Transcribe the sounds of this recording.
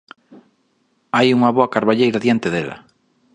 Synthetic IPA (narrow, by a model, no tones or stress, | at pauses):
ajuŋɐβoakaɾβaʎejɾaðjant̪ɪðelɐ̰